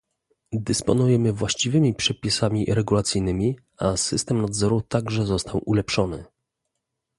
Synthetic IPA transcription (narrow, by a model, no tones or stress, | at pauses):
d̪ɘspɔnujɛmɘvwaɕt͡ɕivɘmʲipʂɛpʲisamʲiɾɛɡulat̪sʲɘjnɘmʲi | asɘst̪ɛmnad̪zɔɾut̪aɡʐɛzɔst̪ʰawʔulɛpʂɔnɘ̰